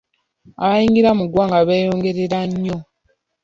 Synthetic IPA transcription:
aβajiŋɡiɾamuɡwaːŋɡaβeːjo̞ːŋɡe̞ɾe̞ɾaɲːo̞

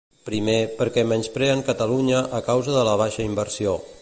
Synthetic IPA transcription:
pɾimepəɾkɛmɛnspɾɛəŋkət̪əluɲəʔːkawzəðələβ̞aʃəimbəɾsio

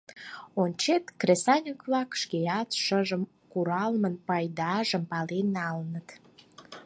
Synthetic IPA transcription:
onʲt͡ɕet̪kresɑnʲəkβlɑkʃkeɑt̪ʃəʒəm | kuɾɑlmənpɑjd̪ɑʒəmpɑlenːɑlnət̪

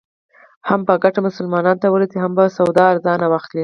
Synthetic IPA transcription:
hampəɡaʈamʊsʊlmɑnɑnt̪awəlat̪iɦambasawd̪ɑːɾzɑnawaxt̪li

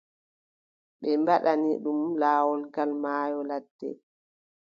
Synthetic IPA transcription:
ɓɛmbaɗaniɗumlaːwɔlɡalmaːjɔladːɛ̰

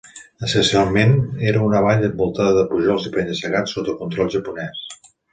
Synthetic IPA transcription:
əsənsialˠmeneɾəunəβaʎəmbulˠt̪aðəðəpuʒɔlˠzipɛnəsəɣasːot̪əkunt̪ɾɔlˠʒəpunɛs

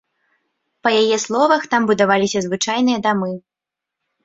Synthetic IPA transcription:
pɐjajɛslˠɔvɐxt̪ambud̪avalʲisʲɐzvɨt͡ʂajn̪ɨjɐd̪amɨ

